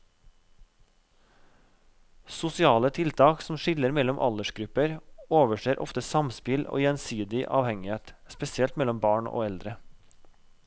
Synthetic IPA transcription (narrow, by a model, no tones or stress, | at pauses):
sʊsɪɑːlət̪ʰɪlt̪ʰɑːksm̩ʃɪləɾmɛlɔmʔɑ̰ləʃɡɾʉpəɾoːʋəʃeːɾʔɔ̰ft̪əsɑmspɪlo̰ːjɛnsyːd̪ɪʔɑ̰ːʋhɛŋɪeːt̪spɛsɪɛlt̪mɛlɔmbɑːɳo̰ːɛld̪ɾə